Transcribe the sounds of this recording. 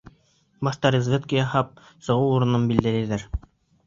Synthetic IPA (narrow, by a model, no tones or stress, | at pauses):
bɑʃt̪ɑɾɪzvʲet̪kʲijɑhɑp̚ | sɤ̆ʁɤwuɾɤ̆nɤmbild̪ælæjðæɾ